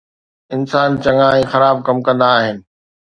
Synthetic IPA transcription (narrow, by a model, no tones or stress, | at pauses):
ɪnsaːnt͡ɕɐ̃ŋãːẽːxɐɾaːb̚kɐmkɐ̃nd̪aːɦɪnɪ̆